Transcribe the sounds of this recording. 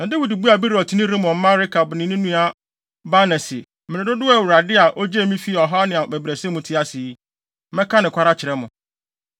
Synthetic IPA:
nã˨de˦wi˨dbu˦a˨bi˦ɾɔ˨tʰi˨nɪ̃˦ɾĩ˦mɔ̃˨m̩˦mã˦ɾɪ˦kʰa˨bnɪ̃˨˦nʊ̃˦nũ˦a˨ | ba˦nɛ˨sɪ̰˨ | mɪ̃˨ɾɪ̃˨dʊ˦dʊ˦ɛ˦˨wu˨ɾa˨dɪ˦a˨ʔo˦d͡ʑe˦˨mĩ˦fi˦˨ɔ˨ɦa˦nɪ̃˨a˨bæ˨bɾe˨sɛ˦mʊ̃˨tʰɪ˦a˦si˨˦ | mɛ̃˦kʰã˦nɪ̃˨kʷʰa˦ɾa˦t͡ɕʰɪ˨ɾɛ˦mʊ̃˨

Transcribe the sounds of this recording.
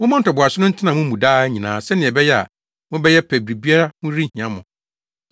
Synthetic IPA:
wʊ̃˦mã˦n̩˨tʰɔ˨bʊ˨a˨sʊ˦nʊ̃˦n̩˦tʰɪ˦nã˨mũ˦mũ˨daː˦ɲĩ˨nã̰ː˨˦sɛ˦nɪ̃˨ɛ˨bɛ˦jɛ˦a̰˨ | mʊ̃˦bɛ˦jɛ˦pʰɛ˨bɾi˨bi˦a˦ɾa˦mʊ̃˦ɾi˦˨ĩ˨ã˦mʊ̃˨

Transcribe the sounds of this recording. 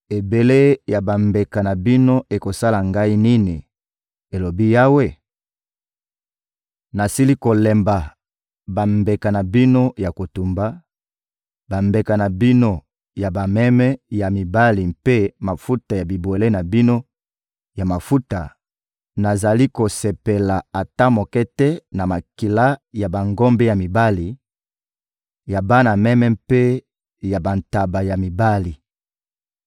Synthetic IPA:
e˨be˨le˦ja˨ba˨mbe˨ka˨na˨bi˦no˦e˨ko˨sa˦la˨ŋɡa˦i˦ni˦ni˨ | e˨lo˨bi˦ja˦we˦ | na˨si˦li˦ko˨lɛ˨mba˨ | ba˨mbe˨ka˨na˨bi˦no˦ja˨ko˨tu˨mba˦ | ba˨mbe˨ka˨na˨bi˦no˦ | ja˨ba˨mɛ˦mɛ˦ja˨mi˨ba˦li˨mpe˦ma˨fu˦ta˨ja˨bi˨bo˨le˦na˨bi˦no˦ | ja˨ma˨fu˦ta˨ | na˨za˨li˦ko˨sɛ˨pe˨la˨a˨ta˦mo˨kɛ˦tɛ˦na˨ma˨ki˨la˦ja˨ba˨ŋɡɔ˦mbe˦ja˨mi˨ba˦li˨ | ja˨ba˦na˨mɛ˦mɛ˦mpe˦ | ja˨ba˨nta˨ba˨ja˨mi˨ba˦li˨

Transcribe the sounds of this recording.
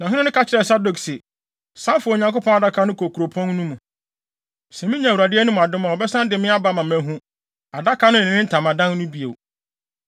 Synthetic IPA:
nã˨ɦʊ̃˦nɪ̃˦nʊ̃˦ka˦t͡ɕɪɾɛ˨sa˦do˨ksi˨ | sã˦mfʊ˨ɲã˨ŋko˦pʰɔ̃˦na˨da˦kʰa˦nʊ̃˦kʰo˨kʰu˨ɾo˨pʰɔ̃˦n˦nũ˦mũ˨ | sɛ˨mĩ˦ɲã˨u˨ɾa˨dɪ˦ɛ˦nʊ̃˦m̃˨a˨dʊ˦mã˨ɔ˨bɛ˦sã˦n˦dɪ˨mɪ̃˦a˦ba˦˨mã˨mæ̃˨ɦũ˦ | a˨da˦kʰa˨˦nʊ̃˦n̩˨ɪ̃˨nɪ̃˦n̩˦tʰã˨mã˨dã˦n˦nũ˦bi˨ḛ˨w

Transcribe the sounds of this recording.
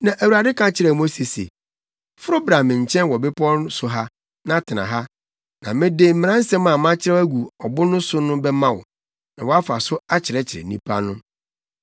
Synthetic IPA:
nã˨ʔæ˨wu˨ɾa˨dɪ˦kʰã˨t͡ɕʰɪ˨ɾɛ˨mo˦se˨sḛ˨ | fʊ˦ɾʊ˦bɾa˨mɪ̃˨ɲ̩˨t͡ɕʰɛ̃˦nwɔ˨bɪ˦pʰɔ˦n˦sʊ˨ɦa˦ | nã˦tʰɪ˨nã̰˨ɦa˦ | nã˨mɪ̃˦de˦˨m̩˦mɪ̃˨ɾã˦n̩˦sɛ̃˦mã˨mã˦t͡ɕʰɪ˦ɾɛ˦æ˦ɡu˨ɔ˨bʊ˦nʊ̃˦sʊ˦nʊ̃˦bɛ˦mã˦wɔ̰˨ | nã˨wɔ˨a˦fa˨sʊ˦a˦t͡ɕʰɪ˨ɾɛ˦t͡ɕʰɪ˨ɾɛ̰˨nḭ̃˦pʰa̰˦nʊ̃˦

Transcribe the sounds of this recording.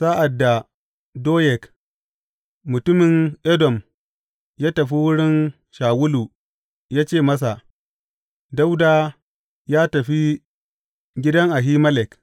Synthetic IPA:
saː˦ʔa˨dːa˨ | doː˦jɛ˨k | mʊ˨tʊ˦mɪ˨ŋʔɛ˦dɔ˨m | jaː˦tɐ˨ɸi˦wʊ˦ɽɪ˦n | ʃaː˨wʊ˦luː˨ | jaː˦t͡ʃeː˦˨mɐ˦s̬a˨ʔ | da˦wdaː˦ | jaː˦tɐ˨ɸi˦ | ɡʲɪ˦dɐ˦ŋʔa˨ɦiː˦mɐ˦lɛ˨k

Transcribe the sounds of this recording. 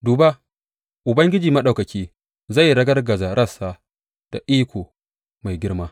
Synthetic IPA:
duː˨ba˦ | ʔʊ˨bɐ˦ŋɡʲɪ˦d͡ʒiː˨mɐ˦ɗa˨wkɐ˨kʲiː˦ | za˦˨jɽɐ˦ɡɐ˦rɡɐ˨za˨ɾɐ˦˨sːa˦ | d̥a̰˨ʔiː˦kʷoː˨ | ma˨jɡʲɪ˦ɽmaː˦

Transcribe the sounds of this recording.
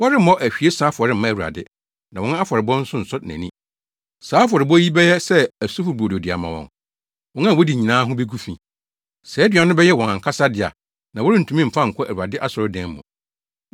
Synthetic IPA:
wɔ˦ɾɪ˦ɔ˦ʔæ˨ɕᶣi˨e˦saː˨˦fʊ˨ɔ˨ɾɪ˦m̩˦mã˦æ˨wu˨ɾa̰˨dɪ˦ | nã˨wɔ̃˨˦ñ˦a˦fɔ˨ɾɪ˨bɔ̃˦n̩˦sʊ̃˦n̩˨sʊ˦næ̰̃˨nĩ˦ | saː˨˦f̬ɔ˨ɾɪ˨bɔ˦ji˦bɛ˦jɛ˦sɛ˦æ˨su˦fʊ˨bu˨o˨do˨dɪ˨a̰˨mã˨wɔ̰̃˨ŋ | wɔ̃˨˦nã˦˨wɔ˦di˨ɲĩ˨nãː˦ɦʊ̃˦be˦ɡu˦fĩ˨ | sɛː˨˦dɥã˨˦nʊ̃˦bɛ˦jɛ˦˨wɔ̃˨ŋã˨ŋ̩˨kʰa˦sa˦dɪ˨a̰˨ | nã˨wɔ˦ɾɪ˦n̩˨tʰũ˨˦mĩ˦m̩˨fã˦ŋ̩˨kʰɔ˦ʔæ˨u˨a˨dɪ˦ʔa˦sɔ˨ɾʊ˦dɛ̃˨˦m˦mʊ̰̃˨

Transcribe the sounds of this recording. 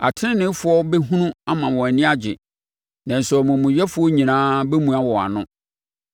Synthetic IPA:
a̰˨tʰɪ˦ɪ̃˦nɪ̃˦fʊ˨˦ɔ˦bɛ˦ɦũ˦nũ˦a˦mã˨wɔ̃˨nɪ̃˦a˦d͡ʑɪ̰˨ | nã˨n˨sɔ˨mʊ̃˨mʊ̃˨ɥɛ˦fʊ˨˦ɔ˦ɲĩ˨nãː˦bɛ˦mũ˨a˦wɔ˨a̰˨nʊ̃˦

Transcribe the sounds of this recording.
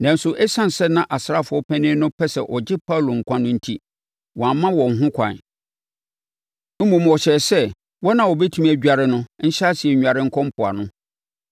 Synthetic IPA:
nã˨n˦sʊ˨ʔɛ˦sã˦n˨sɛ˦nã˨ʔa˨sɾa˦fʊ˨˦ɔ˦pʰæ̃˦nɪ̃˦nʊ̃˦pʰɛ˦sɛ˨ʔɔ˨d͡ʑɪ˦pʰa˦˨lo˨ŋ̩˨kʷʰã˦nʊ̃˦n̩˦tʰi˦ | wɔ̃˨a˨mːã˦wɔ̃˨ŋ˨ɦʊ̃˦kʷʰã̰˨n | m̩˦mũ˨m˨ɔ˨ɕɛ˨sɛ˦ | wɔ˦nã˨wɔ˨bɛ˦tʰũ˦mæ˨d͡ʑᶣa˨ɾɪ˦nʊ̃˦n̩˦ɕa˦si˨ɛ˨ɲᶣ˨a˨ɾɪ˦ŋ̩˦kʰɔ̃˦m˦pʰʊ˨a̰˨nʊ̃˦

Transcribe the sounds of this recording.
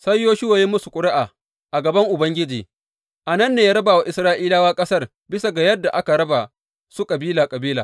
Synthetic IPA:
sɐ˦jːoː˦ʃʊ˦waː˨ji˦mʊ˦su˨kʷʼʊ˦ɽɪ˦ʔaː˨ | ʔa˨ɡɐ˨bɐ˦ŋʔʊ˨bɐ˦ŋɡʲɪ˦d͡ʒiː˨ | ʔa˨nɐ˦˨nːeː˨jaː˦ɾɐ˦baː˨wa˨ʔɪ˨sɾaː˦ʔiː˦laː˦waː˦kʼɐ˦sɐ˦r | bɪ˦sa˨ɡa˨jɐ˦dːa˨ʔa˦ka˨ɾɐ˦ba˨ | su˦kʼɐ˨biː˦laː˨kʼɐ˨biː˦laː˨

